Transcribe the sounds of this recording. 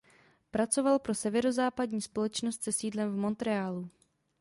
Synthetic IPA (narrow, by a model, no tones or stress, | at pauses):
pɾat͡so̞valpɾo̞sɛvɛɾozaːpadɲiːspo̞lɛt͡ʃnost̪sɛsiːdlɛmvmo̞nt̪ɾɛaːlu